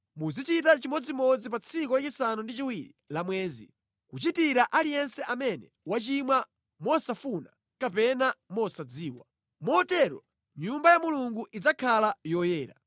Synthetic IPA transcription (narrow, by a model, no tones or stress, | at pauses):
muzit͡ʃit̬at͡ʃimɔd͡zimɔd͡zip̬at͡sʰikɔlat͡ʃisanundit͡ʃiwiɾilamwɛːzḭ | kut͡ʃitiɾaʔalijɛnsɛʔamɛnɛ | wat͡ʃimwa | mɔsafuna | kapɛnamɔsad͡ziːwa̰ | mɔtɛɾɔ̰ | ɲumbajamuluŋɡuʔid͡zakʰalajɔjɛːɾa̰